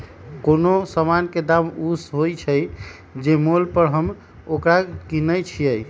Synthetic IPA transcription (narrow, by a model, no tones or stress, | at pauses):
konosəmanked̪amusɦojt͡ʃʰəj | d͡ʒemolpəɾɦəm | okɾakinəjt͡ʃʰijəj